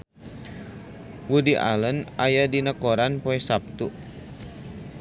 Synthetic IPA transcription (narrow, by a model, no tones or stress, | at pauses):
wudiʔa̰lənajadinəkɔɾanpɔɛsap̚t̪u